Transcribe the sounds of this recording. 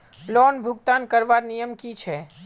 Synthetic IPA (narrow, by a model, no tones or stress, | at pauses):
lɔːnbʱʊɡ̚t̪aːnkəɾʋaːɾnijəmkit͡ʃʰɛː